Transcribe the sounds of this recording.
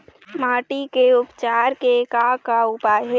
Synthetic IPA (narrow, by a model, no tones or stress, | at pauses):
maːʈikeʊpt͡ʃaːɾkekakaʊpaːjɦe